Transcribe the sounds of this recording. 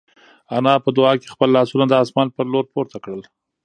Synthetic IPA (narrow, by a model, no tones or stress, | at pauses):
anɑpəd̪ʊɑke̥xpəlːɑsunad̪əɑsmɑnpəɾloɾpoɾt̪ʰakɽəl